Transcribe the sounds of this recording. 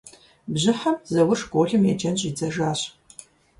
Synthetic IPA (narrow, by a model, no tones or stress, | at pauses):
bʑɪħɐmzɐwʊʂɡʷoːɮɨmjɛd͡ʒɐnɕʼid͡zɐʒaːɕ